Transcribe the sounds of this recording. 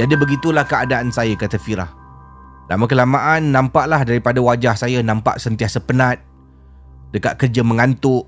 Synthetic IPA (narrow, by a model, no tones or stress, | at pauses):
d͡ʒadəbəɡit̪ulahkəadaʔansajakat̪afiɾa̰h | na̰mãk̬əlamaʔanːãmpaʔlahdaɾipadawad͡ʒahsajanãmpa̰ʔsənt̪iasəpənãt̪̚ | dəka̰t̪̚kərd͡ʒamə̃ŋant̪ʊʔ